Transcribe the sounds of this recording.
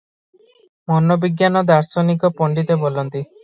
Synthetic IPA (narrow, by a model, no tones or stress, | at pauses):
mɔnɔbiɡjanɔd̪aɾsɔnikɔpɔɳɖit̪ebolɔnt̪i